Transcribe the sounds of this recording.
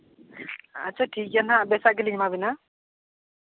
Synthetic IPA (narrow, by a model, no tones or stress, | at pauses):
a̰t͡sʰaʈʰikjanabesaɡelimabina